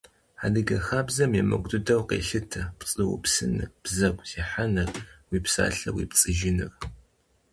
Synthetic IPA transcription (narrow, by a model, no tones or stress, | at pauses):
aːdɨɡɐxaːbzɐmjɛmɐɡʷʼdɨdɐwqḛːɬɨtʰɐpt͡sʼɨwʊ̰psɨnɨb̥zɐɡʷʼziːħanɐrwiːpsa̰ːɬɐwḭːpt͡sʼɨʒɪnɨr